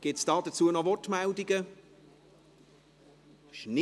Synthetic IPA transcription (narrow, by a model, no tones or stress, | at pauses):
ɡ̥ɪtsd̥ɑːd̥ɐt͡suːənɔvɔɹtmældiɡə | ʃni